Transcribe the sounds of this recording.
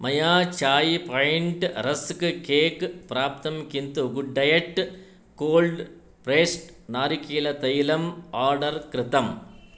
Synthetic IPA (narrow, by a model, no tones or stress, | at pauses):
mɐjaːt͡ʃaːjpɐjɳʈɾɐskɨkeːkɨpɾaːp̚t̪ɐmkint̪uɡuɖɐjɐʈ | koːlɖ | pɾeːsʈnaːɾikːiːlɐt̪ɐjilɐmaːɾɖɐɾkɾɨt̪ɐm